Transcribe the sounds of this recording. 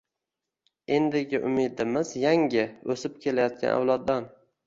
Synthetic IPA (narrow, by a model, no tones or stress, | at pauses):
e̞nd̪ɪɡʲɪʔʊmɪd̪ɪmɪzjaŋʲɪɵsɪp̚kʲʰe̞lajɒt̪̚kʲa̰na̰wlˠɒd̪ːan